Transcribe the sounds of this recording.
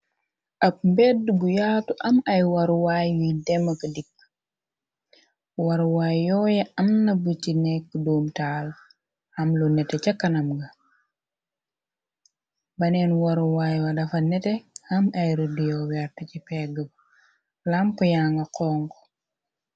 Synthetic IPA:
ʔɐp̚mbɛdbujaːtuʔɐmɐjwɐɾuwaːjwujdɛmːɐkɐdikː | wɐɾwaːjjɔːjɛɐmnɐbucinɛkːdoːmtaːl | hɐmlunɛtɛcɐkːɐnɐmɡɐ | bɐnɛːnwɐɾuwaːjwɐdɐfɐnɛtɛhɐmɐjɾudijɔwɛɾtɐcipɛːɡəb | lamkujaːŋɡɐqɔːŋk

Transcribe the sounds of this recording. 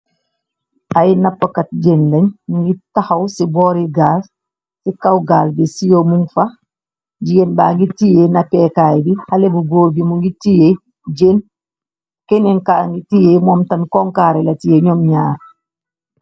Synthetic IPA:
ʔajnapːakat̚d͡ʒenlaɲmuŋɡitahawsibɔːɾiɡaːl | sikawɡaːlbɛsijomuŋfa | d͡ʒijenbaːŋɡitijenapɛːkaːjdihalebuɡoːɾɡimuŋɡitije | d͡ʒeːn | kɛnɛŋkaŋɡitijemɔːmtamkɔŋkaːɾɛlatijeɲɔmɲaːɾ

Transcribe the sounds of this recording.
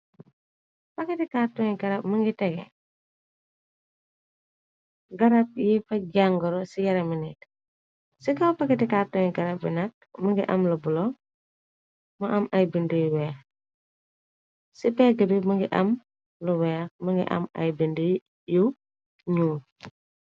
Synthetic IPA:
pɐkɛtɛkatɔŋiɡɐɾɐp̚məŋɡitɛɡɛ̰ | ɡɐɾɐp̚jifɐɟaŋɡɔɾɔsijɐɾɐminit | sikɐwpɐkɛtɛkaːtuŋiɡɐɾɐp̚binɐk̚məŋɡiʔɐ̰mlubulɔ | mɐʔɐmɐjbindujuwɛːx | sipɛɡəbiməŋɡiʔɐm | luwɛːxməŋɡḭʔɐ̰mɐ̰jbindu | ju | ɲuː

